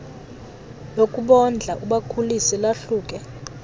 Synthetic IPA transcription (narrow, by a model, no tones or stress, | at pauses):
lokʼuɓɔnd͡ɮʱaʔuɓakʰulisilaɬuːkʼɛ